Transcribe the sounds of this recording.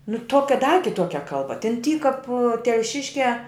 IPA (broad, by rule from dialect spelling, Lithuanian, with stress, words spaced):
nʊ ˈtuɔkʲɛ dɐ kʲɪˈtuɔkʲɛ ˈkɐlˠbɐ tʲɛn ˈtʲiː kɐp tʲɛlʲˈʃʲɪʃʲkʲæː